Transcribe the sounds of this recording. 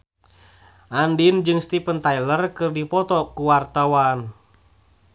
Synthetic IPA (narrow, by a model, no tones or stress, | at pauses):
ʔandind͡ʒɨŋst̪ipənt̪ailərkɨrdipɔt̪ɔkuwart̪awan